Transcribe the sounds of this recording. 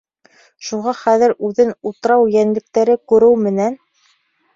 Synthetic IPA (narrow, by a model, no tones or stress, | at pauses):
ʃuʁɑχæðɘ̆ɾʉðɘnut̪ɤ̆ɾɑwjænlɘ̆k̚t̪æɾɘkʉɾɘwmɘ̆næn